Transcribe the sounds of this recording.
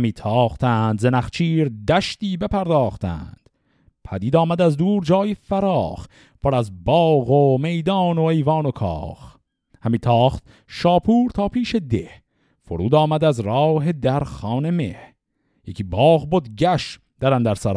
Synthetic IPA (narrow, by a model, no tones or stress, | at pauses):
miːt̪ʰɒːχt̪ʰænd̪zenæχt͡ʃʰiːɾd̪æʃt̪iːbe̞pʰæɾd̪ɒːχt̪ʰæ̰nnd̪̥ | pʰæd̪iːd̪ɒːmæd̪æzd̪uːɾd͡ʒɒːjefæɾɒːχ | pʰoɾæzbɒːɣome̞jd̪ɒːnoejvɒːnokʰɒ̰ːχ | hæmiːt̪ʰɒːχt̪̚ | ʃɒːpʰuːɾt̪ʰɒːpʰiːʃed̪eh | foɾuːd̪ɒːmæd̪æzɾɒːɦed̪æɾχɑːne̞meh | jecʰiːbɒːɣbod̪ɟæʃ | d̪̥æɾænd̪æɾsæɾ